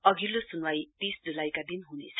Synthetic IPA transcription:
ʌɡʱilːosunwajt̪isd͡zulajkad̪inɦunḛt͡sʰ

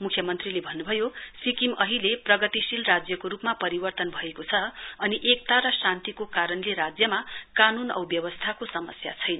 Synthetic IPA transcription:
mukʰjʌmʌnt̪rilebʱʌnːubʱʌjosikimʌɦileprʌɡʌt̪isilrad͡zjʌkoɾupmapʌɾibʌrt̪ʌnbʱʌekot͡sʰʌʌniʔek̚t̪aɾʌsant̪ikokaɾʌnleɾad͡zjʌmakanunʌ̰wbjʌwʌst̪ʰakosʌmʌsja̰t͡sʰʌjnʌ

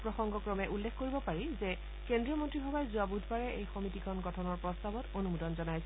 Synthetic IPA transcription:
pɹɔxɔŋɡɔkɹɔmɛʔulːekʰkoɹibɔpaɹizɛ | kendɹijɔmɔntɹibʱabajzuabud̪ʱbaɹɛʔejxɔmitikʰɔnɡɔtʰɔnɔɹpɹɔstabɔtonumudɔnzɔnajsɛ

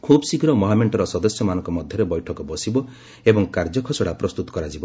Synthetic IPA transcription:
kʰubsikɾɔmɔɦameɳʈɔɾɔsɔd̪ɔsjɔmanɔŋkɔmɔd̪ʱjɔɾebɔjʈʰɔkɔbɔsibɔ | ebɔŋkaɾd͡ʒɔkʰɔsɔɽapɾɔst̪ut̪ɔ̥kɔɾad͡ʒibɔ

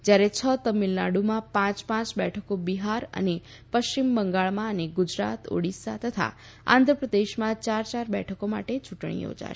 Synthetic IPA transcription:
d͡ʒjaɾet͡ʃʰət̪əmilnaɽumãpãt͡ʃpãt͡ʃbɛʈʰəkobiɦaɾə̰ne | pəʃt͡ʃimbəŋɡaɭmãəneɡʊd͡ʒɾa̰t̪o̰ɽisa̰t̪ət̪ʰa̰ | ã̰nd̪ʱɾəpɾəd̪eʃmãt͡ʃaɾt͡ʃaɾbɛ̰ʈʰəkoma̰ʈet͡ʃuʈɳ̃ḭjo̰d͡ʒa̰ʃ

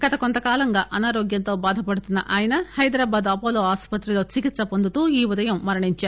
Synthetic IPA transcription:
ɡ̥ɐt̪ɐkont̪ɐkaːlɐŋɡaːʔɐnaːɾoːɡjɐnt̪o̞ːbaːd̪ʱɐpɐɽut̪unːɐʔaːjɐnɐhɐjd̪ɾaːbaːd̪ɐpoːloːaːspɐt̪ɾilo̞ːt͡ʃikit̪sɐpond̪ut̪uːiːʋud̪ɐjɐmːɐɾɐɳiɲt͡ʃaːɾ

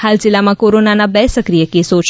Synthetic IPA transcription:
halzilːamãkoɾonanabɛsəkɾijəkesot͡ʃʰ

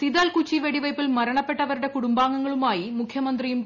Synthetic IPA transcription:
t̪iðaːlkut͡ʃːiʋeɽiʋɐɪpːɪlmɐɾɐɳɐpːɛʈːɐʋɐɾɯɽekʊɽʊmbaːŋɡɐŋɡɐɭɯmaːjimʊkʰjɐmɐnd̪rijɯm

